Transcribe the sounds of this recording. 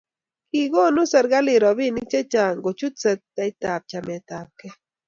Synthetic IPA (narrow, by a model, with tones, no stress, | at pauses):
ki˨ɡo˦nu˦sə˨ɾɡa˦lɪ˨ɾɔ˨bi˦nɪ˦k̚t͡ʃɛ˦t͡ʃa˨ŋɡo˨t͡ʃu˦t̪sə˦t̪̚ːa˨i˦t̪a˨p̚t͡ʃa˨mɛ˨t̪a˨p̚kɛ˦